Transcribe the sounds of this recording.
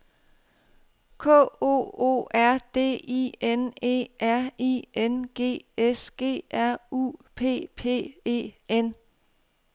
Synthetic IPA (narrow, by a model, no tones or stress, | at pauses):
kʰɔ̰ːo̝̰ːo̝̰ːæɐ̰d̥e̝̰ːḭene̝̰ːʔæɐ̰ienɡ̥e̝̰ːesɡ̥e̝̰ːʔæɐ̰ṵːpʰe̝̰ːpʰe̝̰ːe̝̰ːen